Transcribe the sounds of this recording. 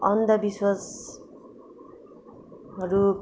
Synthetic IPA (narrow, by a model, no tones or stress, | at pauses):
ʌnd̪ʱʌbiswʌs | ʌɾu